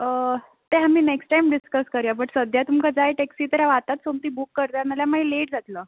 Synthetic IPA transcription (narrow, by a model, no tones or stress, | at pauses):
ə | t̪eɦamiːneksʈʈajmɖiskəskəɾjabəʈsəd̪jat̪umkad͡zajʈeksiːt̪əɾaʋat̪at̪somt̪iːbukːəɾt̪analjamaɦileʈ̚d͡zat̪ləː